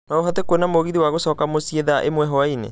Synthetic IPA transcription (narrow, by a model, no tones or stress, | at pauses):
naoɦatekwonamoɣiðiwaɣosɔːkamosieðaʔemwɛɦɔainḛ